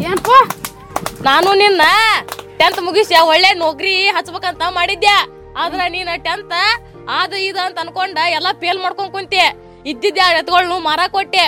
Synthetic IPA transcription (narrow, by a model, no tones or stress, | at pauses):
eːnpo | naːnuninːɐʈent̪muɡisjɐɔɭːeːnoɡɾiɦɐt͡ʃːbeːkɐnt̪ɐmaːɽid̪ja | aːd̪ɐɾeniːnɐʈent̪ | aːd̪ɐid̪ɐɐnt̪ɐɐnkoɳɖɐɛlːɐpeːlmaːɽkoɳkunt̪e | id̪ːid̪jaaːnɛt̪ɐɡɐɭnumaːɾakoʈːe